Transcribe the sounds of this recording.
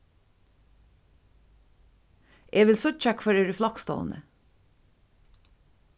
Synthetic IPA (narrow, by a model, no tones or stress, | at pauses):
ʔeːʋɪlsɔc͡çækfɔɾeːɹəflɑkst̪o̰ːnə̰